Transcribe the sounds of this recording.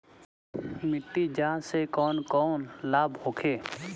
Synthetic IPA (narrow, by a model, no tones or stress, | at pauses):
mɪʈːid͡ʒãːsekɔːnkɔːnlaːbhoːkʰeː